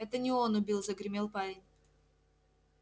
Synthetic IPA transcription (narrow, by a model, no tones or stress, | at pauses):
ɛt̪ənʲɪonʊbʲilˠzəɡɾʲɪmʲelˠpalʲɪnʲ